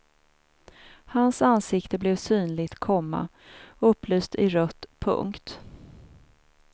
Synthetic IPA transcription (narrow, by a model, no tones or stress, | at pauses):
hansansɪkt̪əblɛːvsyːnlɪɡt̪kʰɔmːa̰ | ɵpːlyːst̪ʰɪɾœt̪ːpʰɵ̰ŋkt̪